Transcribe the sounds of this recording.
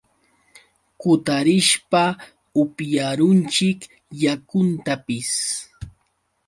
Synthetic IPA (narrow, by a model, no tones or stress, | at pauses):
kʊt̪aɾɪʃpa | ʊpjaɾʊnt͡ʃɪk | jakʊnt̪apɪs